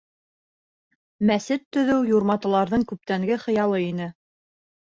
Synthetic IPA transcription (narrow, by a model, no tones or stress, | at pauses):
mæsɘt̪ːɵ̆ðɘwjuɾmɑt̪ɤ̆lˠɑɾðɤɴkʉp̚t̪æŋɡɘχɤ̆jɑlˠɤin̪ɘ